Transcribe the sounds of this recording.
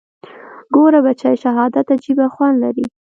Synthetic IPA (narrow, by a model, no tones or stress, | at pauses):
ɡoɾabat͡ʃajʃaɦɑd̪at̪ad͡ʒibaxwand̪laɾi